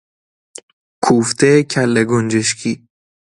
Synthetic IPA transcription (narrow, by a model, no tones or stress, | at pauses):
kʰuːft̪ʰecʰælːeɡond͡ʒeʃkʰiː